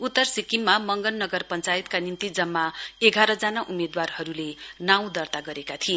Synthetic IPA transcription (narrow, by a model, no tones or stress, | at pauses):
ut̪ːʌrsikimːamʌŋɡʌnːʌɡʌrpʌnt͡sajit̪kanimt̪id͡zʌmːaeɡʱaɾʌd͡zanaʔumed̪warhʌɾulenaw̃d̪ʌrt̪aɡʌɾekat̪ʰie